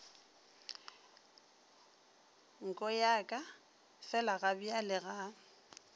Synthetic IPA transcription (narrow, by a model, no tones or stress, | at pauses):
ŋ̩kʼɔjakʼa | fɛlaɣabialɪɣa